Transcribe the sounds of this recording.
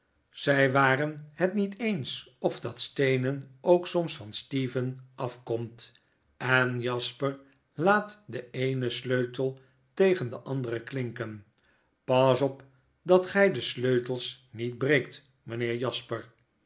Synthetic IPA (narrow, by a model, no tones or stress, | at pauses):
z̥ɛjʋaːrənɦɛtnitejns | ɔvdɑtstejnənowksɔmsfɑnstivənʔɑfkɔmt | ɛnjɑspəɹ | laːtdəejnəsløɥtəlˠ | tejχəndəʔɑndərəklɪŋkən | pɑsɔp | dɑtχɛjdəsløɥtəlˠs | nid̚brejk̚t | mənɪːɹjɑspəɹ